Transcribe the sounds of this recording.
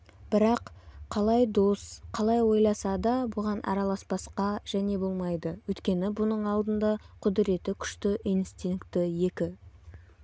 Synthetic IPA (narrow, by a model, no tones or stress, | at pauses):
b̥ɪɾɑqqʰːɑlˠɑjd̪o̞sqʰɑlˠɑjwo̞jlˠɑsɑd̪ɑbʊʁɑnʔɑ̰ɾɑlˠɑspɑsqɑʒ̥æne̞bo̞lˠmɑjd̪əwɵjt̪kʲe̞nɪbʊnəɴɑlˠd̪ənd̪ɑqʰʊd̪ɪɾe̞t̪ɪkʲʰʏ̥ʃt̪ɪʔijnst̪iŋkt̪ɪje̞kʲɪ